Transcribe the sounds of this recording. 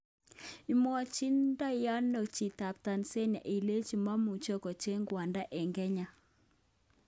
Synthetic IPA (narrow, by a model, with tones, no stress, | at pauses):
i˨mɔ˦t͡ʃi˦nda˦ja˦nːo˨t͡ʃi˨ta˨p̚ta˨nse˦na̰˨ʔi˨le˦t͡ʃi˨ma˦mu˨t͡ʃo˦kɔ˨t͡ʃe˦ŋɡwa˨nda˦ʔɛ˨ŋɡɛ˦ɲa˨